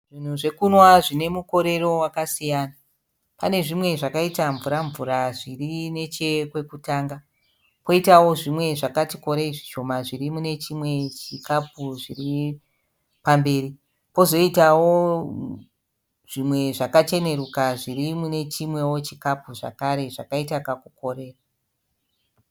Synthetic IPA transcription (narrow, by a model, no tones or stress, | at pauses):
ʐin̤uʐe̞kunwaʐine̞muko̞ɾe̞ro̞wakasijaːna | pane̞ʐimwe̞ʐakaitaɱvuɾaɱvuɾaʐirine̞t͡ʃe̞kwe̞kutaːŋɡa | po̞itawo̞ʐimwe̞ʐakatiko̞ɾeiʐiʃo̞maʐirimune̞t͡ʃimwe̞t͡ʃikap̚uʐiri | pambe̞ːɾi | po̞zo̞itawo̞ | ʐ̥imwe̞ʐakat͡ʃe̞ne̞rukaʐirimune̞t͡ʃimwe̞wo̞t͡ʃikapuʐa̰kaɾe̞ʐakaitakakuko̞ɾe̞ːra